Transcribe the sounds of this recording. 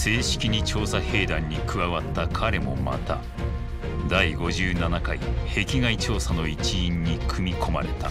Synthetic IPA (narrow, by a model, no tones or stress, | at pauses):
se̞ːɕi̥kʲiɲ̟it͡ɕo̞ːsahe̞ːd̪ãɲ̟ːikɯ̟βaβat̪ːakʰaɾe̞mo̞̰ma̰t̪a | d̪aiɡo̞ʑɨːnanakaihe̞kʲiɡait͡ɕo̞ːsano̞it͡ɕĩːɲːikʰɯ̟mʲikʰo̞ma̰ɾe̞t̪a